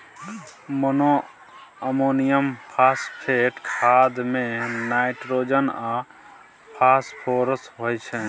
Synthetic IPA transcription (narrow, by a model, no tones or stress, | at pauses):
mono | əmonijəmpʰaspʰeʈkʰad̪menajʈɾod͡ʒəna | pʰaspʰoɾəsɦojt͡ʃʰɛ